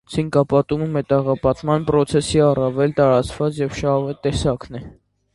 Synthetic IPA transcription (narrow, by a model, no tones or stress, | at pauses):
t͡sʰiŋkɑpɑt̪uməmɛt̪ɑʁɑpɑt̪mɑnpɾɔt͡sʰɛsiɑrɑvɛlt̪ɑɾɑt͡svɑt͡sjɛvʃɑvɛt̪ɛsɑknɛ